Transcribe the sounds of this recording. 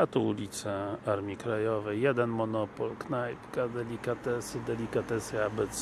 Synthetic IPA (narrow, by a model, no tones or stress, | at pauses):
at̪ɔulʲit̪sɛaɾmʲikɾajɔvɛjːɛd̪ɛnmɔnɔpɔlknajkad̪ɛlʲikat̪ɛsɘd̪ɛlʲikat̪ɛsəabɛt̪s